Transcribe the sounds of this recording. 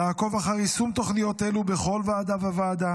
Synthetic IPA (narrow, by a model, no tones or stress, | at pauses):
jaːko̞vaχaʁisumt̪o̞χnijo̞t̪e̞lube̞χo̞lvaːd̪avavaːd̪a